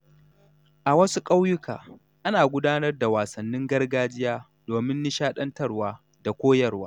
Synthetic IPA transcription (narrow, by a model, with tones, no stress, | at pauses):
ʔa˨wɐ˦su˦kʼa˦wjʊ˦ka̰ː˨ | ʔa˦naː˨ɡʷʊ˦daː˦nɐ˦rda˨waː˨sɐ˨nːɪ˦ŋɡɐ˦rɡaː˦d͡ʒɪ˦jaː˦ | d̥oː˨mɪ˦nːɪ˦ʃaː˦ɗɐ˦ntɐ˦rwaː˦ | da˨kʷoː˦jɐ˦rwaː˦